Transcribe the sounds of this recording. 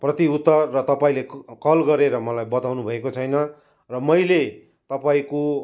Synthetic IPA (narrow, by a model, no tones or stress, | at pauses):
prʌt̪iut̪ːʌrːʌt̪ʌpaĩlekʌlɡʌɾeɾʌmʌlajbʌt̪awnubʱʌekot͡sʰʌjnʌ | rʌmʌjle | t̪ʌpaĩko